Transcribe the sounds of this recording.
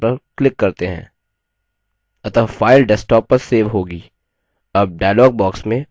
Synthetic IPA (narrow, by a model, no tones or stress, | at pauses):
pɐɾklɪkːɐɾt̪eɦɛ̰̃ː | ɐt̪əfaːɪlɖɛsʈɔːpːɐɾseːʋɦoːɡiː | ɐb̚ɖaːjlɔːɡ̚bɔːksmẽ